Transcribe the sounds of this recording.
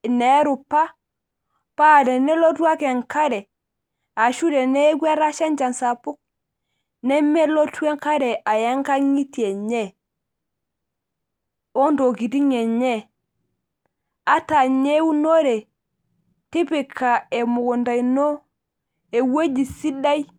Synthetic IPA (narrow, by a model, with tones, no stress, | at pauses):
ne˦ɾu˨pa˦ | pa˦˨de˨ne˦lo˦tu˦a˦ke˨ŋka˦ɾe˨ | a˨ʃu˦de˨ne˦ɡwe˦ɾa˦ʃa˦nd͡ʒa˨nsa˨pu˦k̚ | ne˦me˦lo˦tu˦e˦ŋka˦ɾe˨ʔa˨ja˦ŋka˦ŋi˦ti˨e˨ɲe˦ | o˦ndo˨ki˨ti˦ŋe˨ɲe˦˨ | a˦ta˨ɲe˦wu˦no˦ɾe˨ | ti˦pi˨kʰːa˨e˨mu˨ɡu˨nda˨jno˦ | e˨we˦d͡ʒi˨si˦da˦j